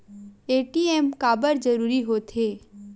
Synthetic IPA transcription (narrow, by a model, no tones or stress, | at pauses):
eːʈieːmkaːbəɾd͡ʒɐɾuːɾiɦoːt̪ʰɦeː